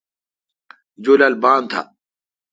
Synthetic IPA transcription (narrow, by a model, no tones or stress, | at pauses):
d͡ʑolalbaːnt̪ʰa̰